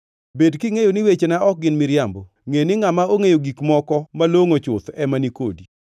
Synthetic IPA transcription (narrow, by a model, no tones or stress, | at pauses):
bedkiŋejonɪwet͡ʃenaɔk̚ɡɪnmɪɾjambo | ŋenɪŋamaoŋejoɡikmɔkɔmaloŋot͡ʃʊt̪ɛmanikodi